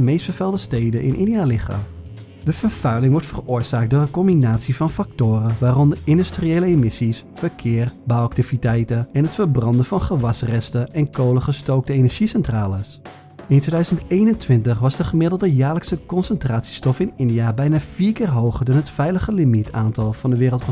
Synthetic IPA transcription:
mejstfəɹfɛlˠdəstejdənʔɪ̰nʔɪ̰ndialɪxa̰ːm | d̥əvəɹfœɥlɪŋʋɔɹtfərʊːɹzaːk̚dʊːɹdəkɔmbinaːtsivɑnfak̚tʊːrəʋaːrɔndəɪndystrieːləemɪsisfəɹkʰɪːrbawak̚tivitɛjtəɛnɦətfəɹbrɑndəvɑnχəʋɑsrɛstəʔɛnkʰowləχəstowk̚təejnɛɹʒ̥isɛntraːlˠɪs | ɪntʰʋedœɥzəntejnəntʋɪntəχʋɑzdəχəmɪdəl̩ˠdəjaːrləksəkɔnsəntraːtsi̥stɔfɪnɪndijabɛjnaːfiːɹkɪːrɦowχəɹdɔnɦətfɛjləχəlimitʰaːntɑlˠvɑndəʋɪːrəlˠtχə

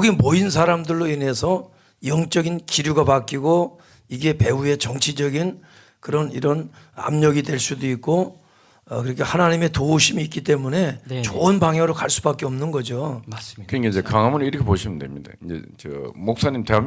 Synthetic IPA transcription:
ɡimoins̬ʰaɾamdɯɭːoine̞sʰʌ | jʌŋt͡ɕ͈ʌɡinkiɾjuɡapak͈iɡo | iɡe̞pe̞ue̞t͡ɕʌŋt͡ɕʰid͡ʑʌɡin | kɯɾʌnḭɾʌn | a̰mɲʌɡidwe̞ɭs͈udoik̚k͈o | kɯɾikʰehanaɲime̞touɕʰimiːk͈it͈e̞mune̞t͡ɕoɯnbaŋɦjaŋɾɯɭkaɭs͈ubak͈eʌmnɯnɡʌd͡ʑokɯɲikaiɲd͡ʑekaŋɦamɯniɾʌkʰepoɕʰiməndwe̞̰mɲida̰ind͡ʑḛt͡ɕʌ̰mok̚s͈aɲimtewam

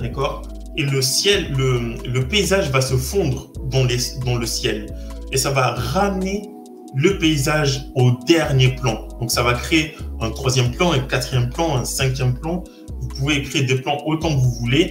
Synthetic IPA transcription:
d̪akɔʁ | eləsjɛlːələpeizaʒvasəfɔ̃d̪ʁəd̪ɑ̃led̪ɑ̃ləsjɛlesavaʁamne | ləpeizaʒod̪ɛʁnjeplɑ̃d̪ɔ̃ksavakχeeɛ̃t̪χwazjɛmplɑ̃ɛ̃kat̪χijɛmplɑ̃ɛ̃sɛ̃k̬ʲjɛmplɑ̃ | vupuvekχed̪eplɑ̃ʔot̪ɑ̃kəvuvule

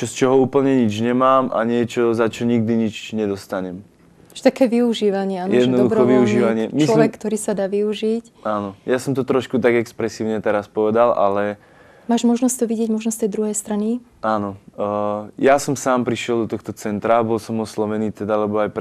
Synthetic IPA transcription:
t͡ʃɔst͡ʃɔɦɔuːpl̩ɲɛɲid͡ʒɲɛmaːmʔa̰ɲɪɛt͡ʃɔzat͡ʃɔɲiɡ̚d̪iɲit͡ʃɲɛd̪ɔst̪aɲɛm | ʒɛt̪akɛːʋiuʒiːʋaɲɪɛanjɛd̪nɔd̪uɾxɔʋiuʒiːʋaɲɪɛmt͡ʃislɔʋɛkːt̪ɔɾiːsad̪aːʋiuʒic | anɔjasɔmt̪ɔt̪ɾɔʃkut̪aɡɛkspɾɛsiːʊɲɛt̪ɛɾaspɔʋɛd̪ala̰lɛ | maːʒmɔʒnɔsct̪ɔʋiɟɪɛɟmɔʒnɔst̪ɛjd̪ɾuɦɛjst̪ɾani | aːnɔ | jasɔmsaːmpɾiʃɪɛlˠd̪ɔt̪ɔxt̪ɔt͡sɛnt̪ɾabɔlsɔmɔslɔʋɛniːt̪ɛd̪alɛbɔajp

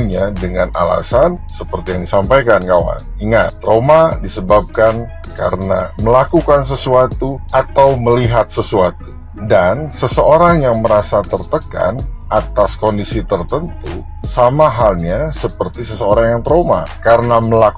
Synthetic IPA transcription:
ɲadəŋana̰la̰sansəpərt̪ijaŋdisampajkankawa̰niŋat̪ːɾomadisəbap̚kan | ka̰ɾəna̰məlakukans̬əsuat̪uat̪awməliɦat̪̚səsuat̪u | dansəsəoɾaŋjaŋməɾasat̪ərt̪əka̰nat̪askondisit̪ərt̪ənt̪ṵ | samaɦalɲasəpərt̪isəsəoɾaŋjaŋt̪ɾoma̰kaɾənaməla

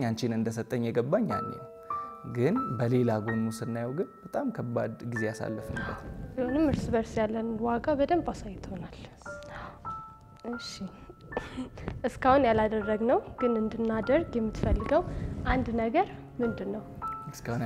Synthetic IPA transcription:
ɲant͡ʃɪnɨnd̪əs̬ət̪ʼːəɲːjɛɡəbːaɲːa̰ɲːɛ̰w | ɡɨnbəle̞laɡo̞nusɨnːajawɡɨnb̥ət̪ʼamkʰəbːad̪ɡize̞jasa̰lːɨfɨnbːət̪ʰbihonɨmːɨɾsɨβəɾsjalːənnwaɡabəd̪əmpʼasajːt̪ho̞nal | ɨʃi | ʔɨskahunjalad̪ərːəɡnəwɡ̥ɨnɨnd̪ɨnːad̪ərɡjɛmːɨt̪fəlːɨɡəwʔand̪nəɡəɾ | mɨnd̪ɨnːəwɨskahun

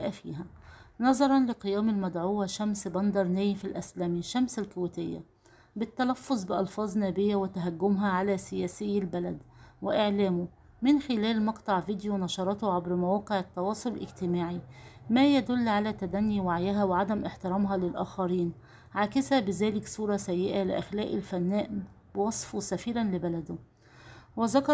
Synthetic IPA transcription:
ʔæfḭːɦænɑzˤɑɾˤɑnlɪqɨjæːmɪlmæd̪ʕuːwaʃæmsbɑnd̪ɑɾˤnæjfilʔæslæːmiʃːæmsælkʊwɪt̪ɪjːæ̰ | bɪt̪ːælæfːozˤbɪʔɑlfɑːzˤnæːbɪjːæwɪt̪æɦæɡːʊmɦæʕalæːsɪjæːsɪjːælbælæd̪wɪʔɪʕlæːmʊ | mɪnxɪlæːlmɑqt̪ˤɑʕviːd̪junɑʃɑɾˤɑt̪oʕabɾmæwæːqeʕæt̪ːɑwɑːsˤollʔɪɡt̪ɪmaːʕimæːjæd̪ʊlːʕalæːt̪æd̪ænːiwaʕjɪɦæwɪʕad̪æmʔɪħt̪ɪɾˤɑːmɦɑlɪlʔæːxɑɾiːn | ʕaːkɪsæbɪzæːlɪksˤuːɾˤɑsæjːɪʔælɪ̰ʔæxlæːʔɪlfænːæːʔ | bɪwɑsˤfusæfiːɾænlɪbælæd̪ʊ | wɪzɑkɑˤ

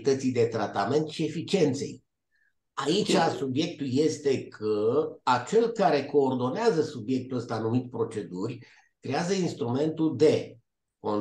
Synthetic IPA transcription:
t̪ət̪sijd̪e̞t̪ɾat̪ame̞nt̪ʃie̞fit͡ʃie̞nt̪se̞̰j | ait͡ʃʲasubje̞k̚t̪ulje̞st̪e̞kʰəat͡ʃe̞lkaɾe̞ko̞ːrd̪o̞neazəsubje̞k̚t̪uəst̪anumit̪ʲpɾo̞t͡ʃe̞d̪urʲ | kɾe̞azəinst̪ɾume̞nt̪ud̪e̞ | ko̞n

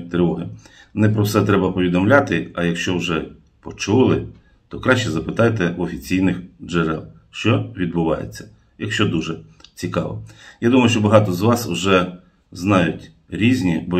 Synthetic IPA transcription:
t̪ɾɪʋɔɦɪ | nɛpɾɔwsɛt̪ɾɛbɐpɔʋʲid̪ɔmlʲat̪ɪɐjɐkʃt͡ʃɔwʒɛ | pɔt͡ʃulˠɪ | t̪ɔkɾɑʃt͡ʃɛzɐpɪt̪ɑjt̪ɛɔfʲit͡sʲijnɪxd͡ʒeɾɛ̰lˠ | ʃt͡ʃɔʋʲid̪bʊʋɑ̰jḛt͡sʲːɐ̥ | jɐkʃt͡ʃɔd̪uʒɛ | t͡sʲikɑʋɔ̰jad̪umɐjʊʃt͡ʃɔbɐɦɑt̪ɔzʋɑswʒɛ | znɑjʊtʲ | ɾʲizʲnʲibɔ

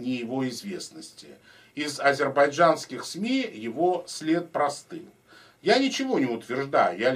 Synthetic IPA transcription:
nʲɪjɪvo̞ɪzvʲe̞snəsʲtʲɪ̰ | ɪzɐzʲɪrbɐjʐanskʲɪxsmʲijɪvo̞sʲlʲe̞t̪̚pɾɐst̪ɨm | janʲɪt͡ɕɪvo̞nʲɪʊt̪vʲɪrʐd̪ajʊja

